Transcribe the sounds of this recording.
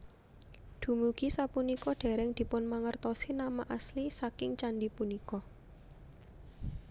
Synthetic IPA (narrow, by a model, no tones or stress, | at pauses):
d̪̥ṳmuɡ̥isapunikɔɖ̥e̤ɾɛŋd̪̥i̤pʊnmaŋərt̪ɔsinamaʔaslisakɪŋt͡ʃanɖipunikɔ